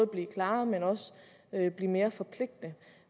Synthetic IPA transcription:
ð̩ˠb̥liːkʰlɑ̈ːmenɒ̽s | øb̥liːme̝ːɐfɒ̽pʰle̝ɡ̥̚d̥ə

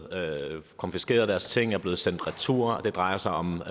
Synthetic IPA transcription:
kʰɒ̽nfisɡ̥e̝̰ːɐðˠd̥æɐst͡sʰe̝ŋ̰æɐb̥le̝ːð̩ˠsen̰d̥ʁæt͡sʰṵɐ̰d̥e̝d̥ʁɑ̈ɪɐsɑ̈ɪɒ̽m

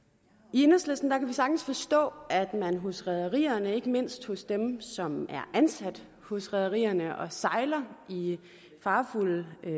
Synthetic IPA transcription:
ienəslesd̥n̩d̥ɑ̈kʰæʋisɑ̈ɡ̥n̩sfɒ̽sd̥ɔ̰̽ːæd̥mænɦo̽sʁɛð̞ˠɐʁḭːɐnəe̝ɡ̥əme̝n̰sd̥hɔ̽sd̥emsɒ̽mæɐʔænsæd̥ | hɔ̽sʁɛð̞ˠɐʁḭːɐnəʔɒ̽sɑ̈ɪlɐi | fɑ̈ːful

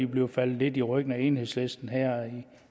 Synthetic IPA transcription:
ib̥le̝ʊfæl̰d̩ˠle̝d̥iʁœɡ̥n̩æe̝ːnhe̝ðˠslesd̥n̩ɦæɐ̰i

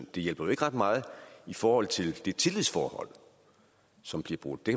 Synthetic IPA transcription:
nd̥e̝jelb̥ɐjo̝e̝ɡ̥ʁɑ̈d̥mɑ̈ːð̞̩ˠifɒːhɒ̽l̰t͡sʰe̝ld̥e̝t͡sʰe̝liðˠsfɒːhɒ̽l̰ | sɒ̽mb̥liɐb̥ʁo̝d̥̩ˠd̥ek

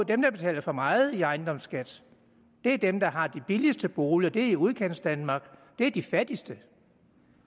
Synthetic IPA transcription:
d̥emd̥ɑ̈b̥e̝t͡sʰɛ̰ːlɐfɒ̽mɑ̈ːð̩ˠiɑ̈ɪnd̥ɒ̽msɡ̥æd̥ | d̥e̝æɐd̥emd̥ɑ̈ɦɑ̈d̥ib̥ilisd̥əb̥o̝ːləɒd̥e̝æɐiuð̞ˠkʰen̰sd̥ænmɑ̈ːɡ̥d̥e̝æɐd̥ifæd̥isd̥ə

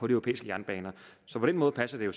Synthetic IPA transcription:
ɒ̽ɾ̥iøo̝pḛːisɡ̥əjæɐnb̥ɛːnɐsɒ̽pʰɒ̽d̥enmɔ̽ːðˠpʰæsɐd̥e̝jo̝

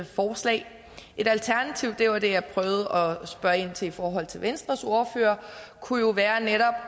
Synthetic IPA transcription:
fɒːslɛ̰ɪ | ʔe̝ɾ̥ælt͡sʰæɐnæt͡sʰiʊ̰d̥eɑd̥e̝jɑpʰʁœːʊð̞̩ˠəɒ̽sb̥ɶɐe̝n̰t͡sʰe̝ifɒːɦɒ̽l̰t͡sʰe̝lʋensd̥ʁɐso̝ɐføːɐkʰujo̝ʋæːɐneɾɒ̽b̥

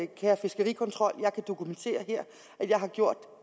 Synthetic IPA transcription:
kʰæːɐfe̝sɡ̥əʁḭːkʰɒ̽nt͡sʰʁɒ̽l̰jɑ̈ɪkʰæd̥o̝kʰument͡sʰe̝̰ːɐɦeɐ̰ | ʔæ̥jɑ̈ɪhɑ̈ɡ̥jo̝ɐ̰d̥

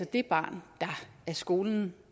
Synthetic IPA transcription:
ɒ̽d̥e̝b̥ɑ̰̈ːnd̥ɑ̈æɐsɡ̥o̝ːln̩

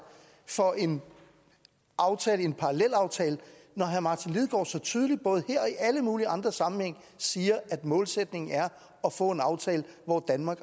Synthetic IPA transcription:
fɒ̽ʔe̝n | ʔɑ̈ʊt͡sʰɛːləe̝npʰɑ̈ʁɑlel̰ɑ̈ʊt͡sʰɛːlənɒɦæmɑ̈t͡sʰinliðˠɡ̥ɒ̰ːsɒ̽t͡sʰyːð̞ˠlid̥̚b̥ɔ̽ːð̞̩ˠheɐ̰ɒ̽iʔæləmuːliʔɑ̈nd̥ʁɐsɑ̈mn̩heŋ̰ | siːɐʔæd̥mɔ̽ːlsed̥ne̝ŋn̩æɐ | ɒ̽fɔ̰̽ːe̝nɑ̈ʊt͡sʰɛːləʋɒd̥ænmɑ̈ːɡ̥

